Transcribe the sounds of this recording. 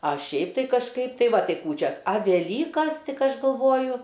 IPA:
ˈɐ ˈʃʲɛɪp tɐɪ kɐʃˈkɐɪp ˈtɐɪ ˈʋɐ ˈtɐɪ ˈkuːt͡ʃʲɛs ɐ ʋʲɛˈlʲiːkɐs ˈtʲɪk ˈɐʃ ɡɐlˠˈʋoːjʊ

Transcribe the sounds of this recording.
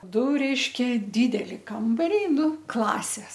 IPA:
ˈdʊ ˈrʲɛɪʃʲkʲɛ ˈdʲiːdʲɛlʲɪ ˈkɐmbɐrʲɛɪ ˈnʊ ˈklˠɑːsʲeːs

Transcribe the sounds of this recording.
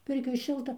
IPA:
ˈpʲɪrʲkʲoːj ˈʃʲɪlˠtɐ

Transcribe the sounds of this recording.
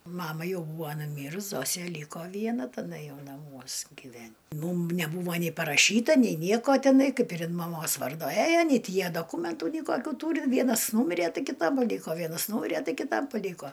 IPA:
ˈmɑːmɐ ˈjɛʊ ˈbuːʋoː nʊˈmʲiːrʊs ˈzoːsʲeː ˈlʲiːkoː ˈʋʲiɛnɐ tɐˈdɐ ˈjɛʊ nɐˈmuɔs ɡʲɪˈʋʲɛnʲ ˈmuːm nʲɛˈbuːʋɐ nʲɪ pɐrɐˈʃʲiːtɐ nʲɛɪ ˈnʲiɛkoː tʲɪˈnɐɪ ˈkɐɪp ɪr ɪn mɐˈmoːs ˈʋɐrdoː ˈæjoː nʲɛɪ ˈtʲɪ ˈjiɛ doːˈkuːmʲɛntʊ nʲɛɪ ˈkoːkʲuː ˈtuːrʲɪ ˈʋʲiɛnɐs ˈnuːmʲɪrʲɛ ˈtɐɪ kʲɪˈtɐ ˈlʲiːkoː ˈʋʲiɛnɐs ˈnuːmʲɪrʲɛ ˈtɐɪ kʲɪˈtɐm pɐˈlʲiːkoː

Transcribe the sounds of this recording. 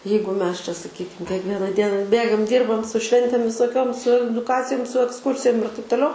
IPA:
ˈjɛɪɡʊ ˈmʲɛs t͡ʃʲɛ sɐˈkʲiːkʲɪm kʲiɛkˈʋʲiɛnɐ ˈdʲiɛnɐ ˈbʲeːɡɐm ˈdʲiːrbɐm sʊ ˈʃʲʋʲɛnʲtʲeːm ʋʲɪsoːˈkʲoːm sʊ ɛdʊˈkɑːt͡sʲɪjʊm sʊ ɛksˈkʊrʲsʲɪjʊm ɪr tɐɪp toːˈlʲɛʊ

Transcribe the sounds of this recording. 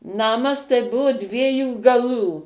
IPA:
ˈnɑːmɐs tɐɪ ˈbʊʋoː ˈdʲʋʲiɛjuː ɡɐˈlˠuː

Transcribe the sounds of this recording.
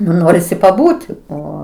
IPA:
nʊ ˈnoːrʲɪsʲɪ pɐˈbuːtʲ ˈoː

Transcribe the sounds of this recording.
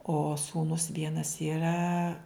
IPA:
oː ˈsuːnʊs ˈʋʲiɛnɐs iːˈrɐ

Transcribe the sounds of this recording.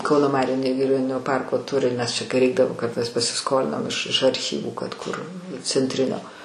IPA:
ˈkɐʊnoː ˈmɑːrʲuː nʲɛɡʲɪˈrʲoːnʲɪnʲoː ˈpɐrkoː ˈtʊrʲɪ nʲɛs t͡ʃʲɛ kɐɪ ˈrʲɛɪɡdɐʋoː kɐt mʲɛs pɐsʲɪˈskoːlʲɪnɐm ɪʃ ɪʃ ɐrʲˈxʲiːʋuː kɐt kʊr t͡sʲɛnʲtʲˈrʲɪnʲoː

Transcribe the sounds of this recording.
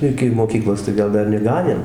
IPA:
ˈɪkʲɪ moːˈkʲiːklˠoːs tɐɪ ˈɡɐlˠ ˈdɐr nʲɛˈɡɑːnʲeːm

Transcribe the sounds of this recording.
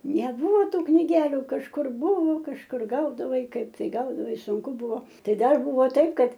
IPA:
nʲɛˈbuːʋoː ˈtuː knʲɪˈɡʲæːlʲʊ kɐʃˈkʊr ˈbʊʋoː kɐʃˈkʊr ˈɡɐʊdɐʋɐɪ ˈkɐɪp tɐɪ ˈɡɐʊdɐʋɐɪ ˈsʊŋkʊ ˈbʊʋoː ˈtɐɪ ˈdɐr ˈbʊʋoː ˈtɐɪp ˈkɐt

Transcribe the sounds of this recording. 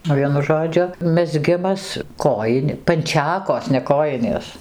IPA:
ˈʋʲiɛnʊ ˈʒoːd͡ʒʲʊ mʲɛzʲˈɡʲɪmɐs ˈkoːjɪnʲ pɐnʲˈt͡ʃʲæːkoːs nʲɛ koːˈjɪnʲeːs

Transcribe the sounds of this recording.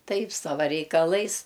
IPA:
ˈtɐɪp ˈsɑːʋɐ rʲɛɪkɐˈlˠɐɪs

